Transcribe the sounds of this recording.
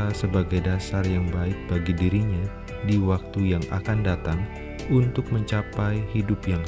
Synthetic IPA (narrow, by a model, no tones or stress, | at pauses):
asəbaɡajdasarjaŋbaɪk̚b̥aɡidiɾiɲa | diwak̚t̪ujaŋa̰kandat̪aŋ | unt̪ʊk̚məɲt͡ʃapajhidʊpjaŋ